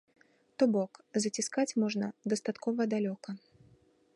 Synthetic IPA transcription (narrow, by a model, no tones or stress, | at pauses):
t̪ɔbɔkzɐt͡sʲiskat͡sʲmɔʐnɐd̪ɐst̪at̪kɔvɐd̪alʲɔkɐ